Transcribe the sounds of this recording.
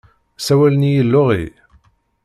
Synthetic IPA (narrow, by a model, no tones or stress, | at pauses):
sæwælənijəlːʊʁḭ